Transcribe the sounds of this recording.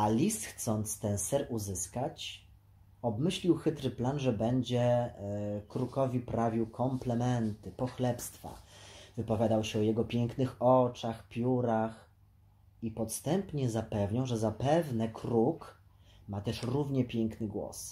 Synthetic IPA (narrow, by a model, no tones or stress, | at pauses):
alʲist̪xt̪sɔnt̪st̪ɛnsɛɾuzɘskat͡ɕ | ɔbmɘɕlʲiwxɘt̪ɾɘplanʐɛbɛɲd͡ʑɛ | kɾukɔvʲipɾavʲiwkʰɔmplɛmɛnt̪ɘpɔxlɛpst̪fa̰vɘpɔvʲjad̪awɕɛɔjɛɡɔpʲjɛŋknɘxɔt͡ʂaxpʲjuɾax | ipɔt̪st̪ɛmpɲɛzapɛvɲaw̃ʐɛzapɛvnɛkɾuk | mat̪ɛʂɾuvɲɛpʲjɛŋknɘɡwɔ̰s